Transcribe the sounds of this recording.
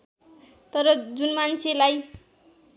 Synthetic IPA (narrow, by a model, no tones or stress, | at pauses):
t̪ʌɾʌd͡zunmant͡sʰelaj